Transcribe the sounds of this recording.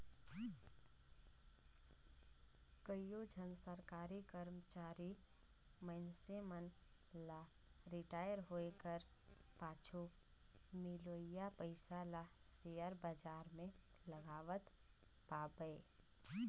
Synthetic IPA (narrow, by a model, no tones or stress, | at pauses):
kəijod͡ʒʱənsəɾkaːɾikəɾmt͡ʃaːɾi | məɪnsemən | la | ɾɪʈaːjəɾɦoːekəɾ | paːt͡ʃʰu | mɪloːijapəɪsala | sejəɾbəd͡ʒaːɾmẽləɡaːʋət̪ | paːbəe